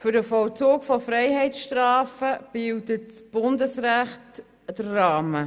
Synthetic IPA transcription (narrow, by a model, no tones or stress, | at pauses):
fʏɾdəfɔlt͡soːkfɔfrɛɪhɛɪtsʃtrɑːfəb̥ɪltətt͡sb̥ʊndəsræχt | d̥ərːɑːmə